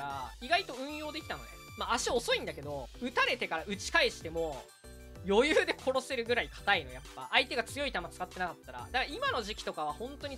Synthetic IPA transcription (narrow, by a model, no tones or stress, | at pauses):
aiɡait̪o̞ɯ̟̃ɰ̃jo̞ːd̪e̞kʲi̥t̪and̪o̰ | maːɕiaoso̞ĩnd̪ake̞d̪o̞ɯ̟t̪aɾe̞t̪e̞kaɾaɯ̟t͡ɕi̥kaeɕi̥t̪e̞mo̞ | jo̞jɯːd̪e̞kʰo̞ɾo̞se̞ɾɯ̟ɡɯ̟ɾaikʰḁt̪aino̞japːa̰ʔait̪e̞ɡat͡sɨjo̞it̪amat͡sɨ̥kat̪ːe̞nakat̪ːaɾa̰d̪akaimano̞ʑikʲi̥t̪o̞kaβ̞ahõ̞nt̪o̞ɲ̟i